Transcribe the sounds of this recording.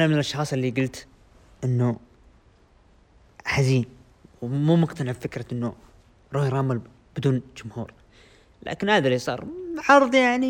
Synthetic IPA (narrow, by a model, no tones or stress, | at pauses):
ʔanamɪnɪlʔɑʃxɑːsˤɪlːiɡʊlt̪ | ʔɪnːu | ħaziːn | wmuːmʊɡt̪anɪʕbfɪkɾaʔɪnːʊ | ɾˤɑːhjɾˤɑːmɪl | b̥ɪd̪uːnd͡ʒʊmhṵːɾ | lʔa̰ːkɪnhaːðalisˤɑ̰ːɾˤʕɑɾˤðˤjaʕni